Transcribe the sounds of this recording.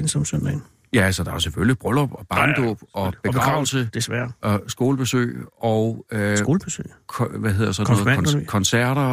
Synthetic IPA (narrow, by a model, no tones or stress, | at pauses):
nsɒmsønden̩ | jæælsɒd̥ɑ̈ʊseføljib̥ʁœlɒb̥ɒb̥ɑ̈nd̥ɔːb̥ɒ̽b̥e̝ɡ̥ɡʁɑ̈ʊ̰l̩səd̥esʋæɐʔɒsɡ̥o̝ːləb̥e̝sø̰ːɪɒʊø̥oːlb̥esø̰ːkʰʋæɦe̝ð̰ˠɐɐsɒ̽nːɔ̽ðkʰɒ̽nsæɐ̰ɾɐ